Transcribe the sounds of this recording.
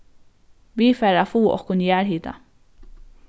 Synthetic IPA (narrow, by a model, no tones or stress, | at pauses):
ʋiːfeːɾɑfuːʔo̰ːkʰʊnjæːɾhiːt̪ɑ̰